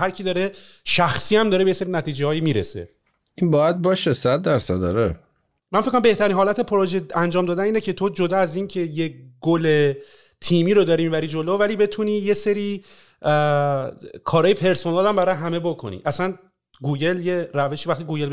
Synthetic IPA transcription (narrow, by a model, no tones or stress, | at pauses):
hæɾcʰid̪ɒːɾeʃæxsiːæmd̪ɒːɾebejeseɾinæt̪ʰiːd͡ʒeɒːjimiːɾḛsḛ | inbɒːjæd̪̚bɒːʃesæd̪̚ːæɾsæd̪̚d̪ɒ̰ɾe | mænfekːomæmbe̞ht̪ʰæɾiːnɦɒːlæt̪ʰe̞pʰɾoʒeænd͡ʒɒːmd̪ɒːd̪æniːnecʰe̞t̪ʰo̞d͡ʒod̪ɒːæziːncʰe̞jeɡole̞ | t̪ʰiːmiːɾod̪ɒːɾimiːbæɾid͡ʒo̞lovæliːbe̞t̪ʰuniːje̞seɾi | kʰɒːɾɒːjepʰe̞ɾsonælæmbæɾɒjeɦæme̞bokʰo̞̰nḭʔæsæn | ɡuːɟe̞ljeræve̞ʃivæxt̪iɡuːɟe̞l